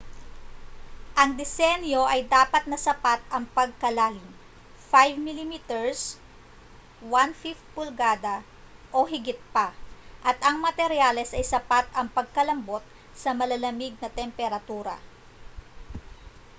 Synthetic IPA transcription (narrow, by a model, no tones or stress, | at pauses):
ʔɐŋd̪ɪsɛnjo̞ʔɐjd̪aːpɐt̪̚nɐsɐpat̪̚ɐŋpɐɡ̚kɐlaːlɪm | fajvmilimit̪ɛɹs | wanfift̪̚pʊlɡaːd̪ɐ | ʔoɦɪɡɪt̪̚paʔɐt̪ɐŋmɐt̪ɛɾjalɛsʔɐjsɐpat̪ʔɐŋpɐɡ̚kɐlɐmbo̞t̪̚ | sɐmɐlɐlɐmiɡ̚nɐt̪ɛmpɛɾɐt̪uːɾɐ̰